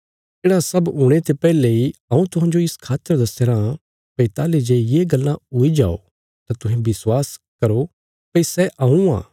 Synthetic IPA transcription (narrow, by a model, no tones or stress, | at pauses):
eːɽãsɐbɦʊɽ̃et̪epɛːleiɐũt̪ʊɦãːd͡ʒoɪskʰaːt̪ːəɾd̪ɐseːɾã | pɐit̪aːled͡ʒejeːɡɐlːãʊid͡ʒa̰ːo̰ | t̪at̪ʊɦẽbɪswaːskɐɾo | pɐisɛʔaːũã̰ː